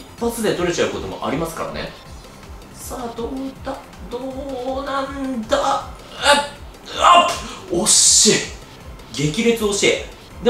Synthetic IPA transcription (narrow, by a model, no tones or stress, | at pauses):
ipːat͡sɨd̪e̞t̪o̞ɾe̞t͡ɕaɯ̟ko̞t̪o̞mo̞̰ʔa̰ɾʲimasɨ̥ka̰ɾa̰nḛ | saːd̪oːit̪ːa | d̪oːnãnd̪a | aoɕe | ɡʲe̞kʲiɾet͡sɨo̞ɕe | d̪e